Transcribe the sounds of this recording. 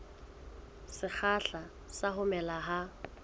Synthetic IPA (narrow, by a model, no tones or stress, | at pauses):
sɪk͡xʰaɬa | saɦʊmɛlaɦa